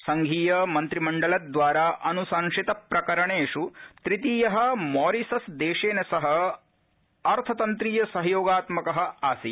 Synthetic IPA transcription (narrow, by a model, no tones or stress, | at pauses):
sɐŋɡʱiːjɐmɐnt̪ɾimɐɳɖɐlɐd̪ʋaːɾaːʔɐnusaːŋʂit̪ɐpɾɐkɐɾɐɳeːʂut̪ɾit̪iːjɐɦɐ̆mɔːɾisɐsd̪eːʂeːnɐsɐɦɐ̆ | ɐɾt̪ʰɐt̪ɐnt̪ɾiːjɐsɐɦɐjoːɡaːt̪mɐkɐɦɐ̆aːsḭ